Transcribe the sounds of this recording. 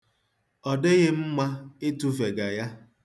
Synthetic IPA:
ɔ˨dɪ˦ɣɪ˦m̩˦ma˦ɪ˦tu˦ve˨ɡa˨ja˦

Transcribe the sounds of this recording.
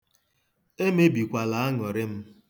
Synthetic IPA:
e˦me˦bi˨kʷa˨la˨a˦ŋɔ˨ɾɪ˦m̩˦

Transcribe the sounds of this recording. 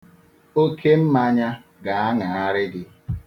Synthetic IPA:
o˦kʰe˦m̩˦ma˦ɲa˦ | ɡa˨a˦ŋa˨a˦ɾɪ˦dɪ˦

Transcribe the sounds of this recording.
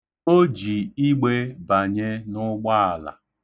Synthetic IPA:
o˦d͡ʒi˨i˦ɡ͡be˦ba˨ɲe˦nʊ˦ɡ͡ba˦a˨la̰˨

